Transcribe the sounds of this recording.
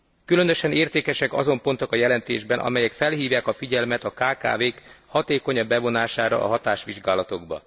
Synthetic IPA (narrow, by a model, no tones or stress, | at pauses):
kylø̞nøʃɛneːrt̪eːkɛʃɛkɒ̰zo̞mpo̞nt̪o̞kɒjɛlɛnt̪ḛːʒbɛnʔɒ̰mɛjɛkfɛlɦiːvjaːkɒfiɟɛlmɛt̪ɒkaːka̰ːveːkhɒt̪eːko̞ɲɒbːɛvo̞naːʃaːɾɒ̰ʔːɦɒt̪aːʃʋiʒɡaːlɒt̪o̞ɡbɒ̰